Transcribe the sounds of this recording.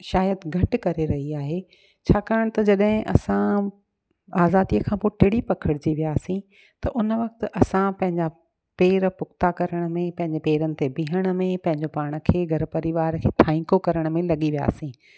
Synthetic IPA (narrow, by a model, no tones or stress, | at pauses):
ʃaːjət̪ɡʱɐʈ̆kɐɾeɾɐɦiaːɦeː | t͡ɕʰaːkaːəɽ̃t̪ɐd͡ʑɐɗɦɪ̃ʔɐ̰sã | aːzaːd̪iəkʰãːpoːʈɪɽipɐkʰəɽɪd͡ʑiʋijaːsĩ | t̪ɐʔʊnʋɐk̚t̪̆ʔɐsãpɐ̃ɦɪ̃ɲd͡ʑa | peːɾpʊkʰt̪akɐɾəɽ̃̆mẽpɐ̃ɦɪ̃ɲd͡ʑepeːɾənɪ̆t̪ebiɦəɽ̃ə̆mẽpɐ̃ɦɪ̃ɲd͡ʑopaːɽ̃ə̆kʰeːɡʱɐɾpɐɾiʋaːɾkʰeːt̪ʰãːĩkokɐɾəɽ̃mẽlɐɠiʋija̰ːsĩː